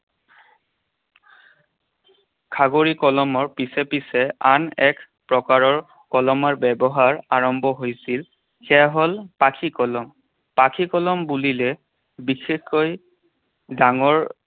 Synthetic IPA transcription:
kʰaɡoɹikɔlɔmɔɹpisepisɛanɛkʰ | pɹɔkaɹɔɹ | kɔlɔmɔɹbɛbɔɦaɹaɹɔmbʱɔɦojsil | xɛjaɦɔlpakʰikɔlɔm | pakʰikɔlɔmbulilɛ | bixexkoj | daŋɔɹ

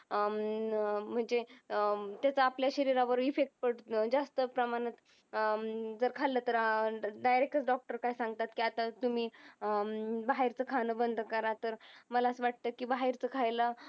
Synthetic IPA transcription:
m̤əɳd͡ze | t̪jat͡saːpljaɕəɾiɾaʋəɾifek̚ʈ̚pəʈd͡zast̪əpɾəmañət̪ | d͡zəɾkʰalːət̪əɾɖajɾek̚ʈət͡sɖɔk̚ʈəɾkaisãŋɡ̚t̪at̪kiːat̪at̪umiː | baɦiɾt͡səkʰanəbənd̪ʱəkəɾat̪əɾməlaəsəʋaʈ̚t̪əːkiːbaɦiɾt͡səkʰajlə

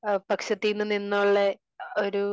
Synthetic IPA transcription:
pɐkɕɐt̪ːinːɨnːinːoɭːe | oɾu

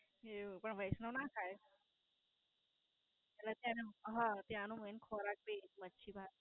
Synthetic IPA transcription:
epəɳʋʱəjsnonakʰaje | ɛlet̪jãnɦãt̪jãnũmənkʰoɾak̚bemətːʃʰibʱaɾ

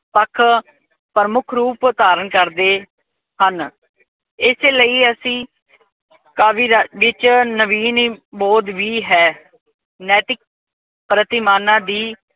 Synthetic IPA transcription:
pəkʰ | pəɾəmʊkʰɾuːpʊt̪aːɾənkəɾd̪eː | hən | ɪseːləiːəsĩː | kaːʋiːɾʋɪt͡ʃnəʋiːniːbɔːd̪ʋiːɦɛː | nɛːt̪ɪk̚ | pɾət̪ɪmaːnãːd̪iː

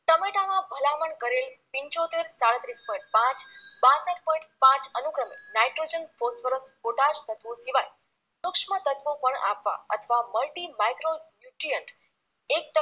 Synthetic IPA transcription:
t̪əmeʈamãbʱəlaməɳkəɾelpĩɲt͡ʃot̪eɾsaɽət̪ɾispɔĩɳʈ̚pãt͡ʃbasəʈpɔ̃ĩɳʈpãt͡ʃənukɾəmḛnajʈɾod͡ʒənfosʋəɾəspoʈad͡ʒt̪ət̪ʋõsiʋaj | sʊkʂmət̪ət̪ʋõpəɳa̰pʋa̰ə̰t̪ʰəʋaməlʈimajkɾonjuʈɾijəɳʈ | ek̚ʈə

